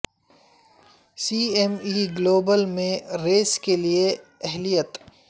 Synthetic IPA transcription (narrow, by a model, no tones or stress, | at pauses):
siːemiːɡloːbəlmẽɾeːskelieɛɦlijət̪